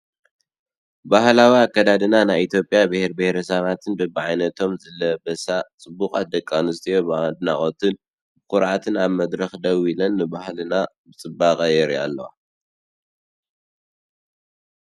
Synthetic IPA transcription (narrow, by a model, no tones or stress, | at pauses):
bahlawiakːɐd̪ad̪ɨnanajit̪ʰjo̞pʼjabɨheɾbɨheɾɐsɐβat̪ʰɨnbɨbɨʕajnɐt̪ʰo̞mzɐlɐbɐsat͡sʼɨbːukʼat̪̚d̪ɐkʼːanɨst̪ʰijobd̪ɨna̰χʼot̪ʰɨn | bɨkʊɾʕat̪ʰɨnaβmɐd̪ɾɐxd̪ɐwilɐnːɨbahlɨna | bɨt͡sʼɨbakʼɐjɛɾia̰lːɐwa̰